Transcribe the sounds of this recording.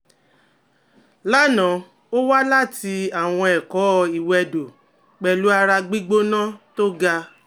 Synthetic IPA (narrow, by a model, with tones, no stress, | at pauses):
la˦˨nã˨˦ | o˦wa˦la˦˨ti˧a˨w̃ɔ̃˧ɛ˨kɔ˨˦˧i˨wɛ˧do˨ | k͡pɛ˨lu˨˦a˧ɾa˧ɡ͡bi˦ɡ͡bo˦nã˦to˦ɡa˧